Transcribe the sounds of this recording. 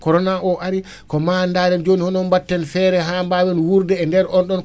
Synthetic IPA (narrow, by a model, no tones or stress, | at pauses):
kɔɾɔnaʔɔʔaɾi | kɔmandaːɾɛnd͡ʒonihɔnɔnbatːɛnfɛːɾɛɦaːmbawɛnwuɾdɛːndɛɾɔnɗɔn